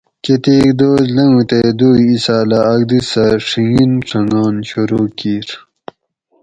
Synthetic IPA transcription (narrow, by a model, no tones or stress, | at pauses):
ket̪eːkd̪oːzlɐŋut̪ed̪uːisaːlaːɡ̚d̪isɐʂiŋinʈ͡ʂʰɐnoːnɕuɾokiːɾ